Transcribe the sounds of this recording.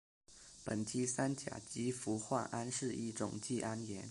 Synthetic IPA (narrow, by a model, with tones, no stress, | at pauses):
pə˨˩ntʰi˥sa˥nt͡ɕja̰˨˩t͡ɕi˧˥fu˧˥xwa˥˩nʔa˥nʂɻ̩˥˧i˥˩ʈ͡ʂʊ̰˨˩ŋt͡ɕi˥˩ʔa˥njɛ˧˥n